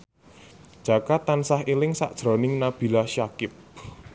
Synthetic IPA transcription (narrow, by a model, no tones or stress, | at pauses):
ʒ̥a̤kat̪ansaɦilɪŋsa̰ʔd̥ʒ̥ɾɔ̤nɪŋnab̥i̤laʃakɪp̚